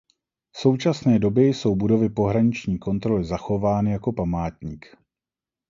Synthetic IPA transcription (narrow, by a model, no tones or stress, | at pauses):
so̞wt͡ʃasnɛːdo̞bjɛjso̞wbudo̞vɪpo̞ɦɾaɲɪt͡ʃɲiːko̞nt̪ɾo̞lɪzaxo̞vaːnɪjako̞pamaːt̪ɲiːk